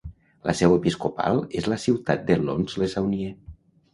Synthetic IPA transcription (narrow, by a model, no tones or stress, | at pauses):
lʔəsɛwepiskopa̰lˠezləsiwt̪at̪̚d̪elo̰nzlesawnie